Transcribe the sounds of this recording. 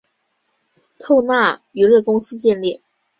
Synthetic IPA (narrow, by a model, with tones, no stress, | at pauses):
t̪ʰo˥˧ʊna˥˩y˧˥lɤ˥˩kʊ˥ŋsɹ̩˥t͡ɕjɛ˥˧nljɛ˥˩